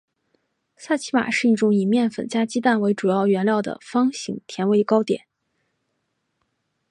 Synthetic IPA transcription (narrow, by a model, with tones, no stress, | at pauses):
sa˥˩t͡ɕʰi˧˥ma̰˨˩ʂɻ̩˥˧i˥˩ʈ͡ʂʊ˧˥ŋi˧˥mjɛ˥˩nfə̰˨˩nt͡ɕja˥t͡ɕi˥t̪a˥˩nwe˧˥ɪʈ͡ʂu˨˩jɑ˥˩ʊɥɛ˧˥nljɑ˥˩ʊd̪ə̰˩fɑ˥ŋɕḭ˧˥ŋt̪ʰjɛ˧˥nwe˧˥ɪkɑ˥ʊt̪jɛ̰˨˩˦n